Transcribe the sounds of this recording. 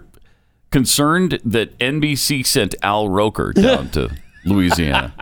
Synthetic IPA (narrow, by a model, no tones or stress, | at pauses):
kɨ̃nsɜ̃˞nðɨɾɛ̃nbisisɛ̃ntælˠɹoʊkʰə̰˞dãʊ̃ntʰɨ̰luiziæ̰nɨ̰